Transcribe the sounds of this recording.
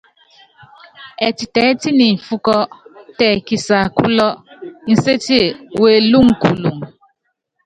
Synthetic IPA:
ɛ˨ti˨tɛ˨˦ti˦ni˨m̩˨fu˦kɔ˦tɛ˨ki˨sa˨ku˦lɔ˦n̩˨se˦ti˦e˨we˨lu˦ŋ̩˨ku˨lu˨ŋ˨

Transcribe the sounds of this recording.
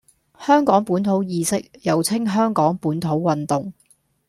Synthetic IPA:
hœː˥ŋkɔː˨˥ŋpuː˨˥nt̪ʰo˨˥wjiː˧sɪ˥k̚jɐ˨wt͡sʰɪ˥ŋɦœː˥ŋkɔː˨˥ŋpuː˨˥nt̪ʰo˨˥wwɐ˨nt̪ʊ˨˩ŋ

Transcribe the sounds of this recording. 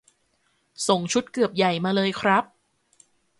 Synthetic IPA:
so˨˩ŋt͡ɕʰu˦˥t̪̚kɯ˨˩əp̚ja˨˩jmaː˧lɤː˧jkʰɾa˦˥p̚

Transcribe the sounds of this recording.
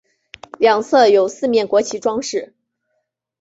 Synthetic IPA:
ljɑ˨˩ŋsʰɤ˥˧jo˨˩ʊsɹ̩˥˧mjɛ˥˩nkwɔ˧˥t͡ɕʰi˧˥ʈ͡ʂwɑ˥ŋʂɻ̩˥˩

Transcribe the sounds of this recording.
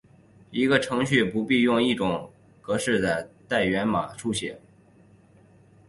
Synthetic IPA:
i˧˥ɡə˧ʈ͡ʂʰɤ˧˥ŋɕy˥˩pu˧˥pi˥˧jʊ˥˧ŋi˥˩ʈ͡ʂʊ˨˩ŋ | kɤ˧˥ʂɻ̩˥˩d̪ə˩t̪a˥˩ɪɥɛ˧˥nma˨˩ʈ͡ʂʰu˥˩ɕjɛ̰˨˩˦n

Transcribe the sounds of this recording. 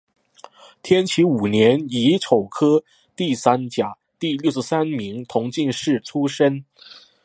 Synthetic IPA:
t̪ʰjɛ˥nt͡ɕʰi˧˥u˨˩njɛ˧˥ni˧˥ʈ͡ʂʰo˨˩ʊkʰɤ˥ | t̪i˥˩sa˥nt͡ɕja˨˩˦ | t̪i˥˧ljo˥˧ʊʂ̩˥˩sa˥nmi˧˥ŋt̪ʰʊ˧˥ŋt͡ɕi˥˧ŋʂɻ̩˥˩ʈ͡ʂʰu˥ʂə˥n

